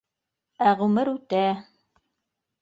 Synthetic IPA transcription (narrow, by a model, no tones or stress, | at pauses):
æʁʉmɘɾʉt̪æ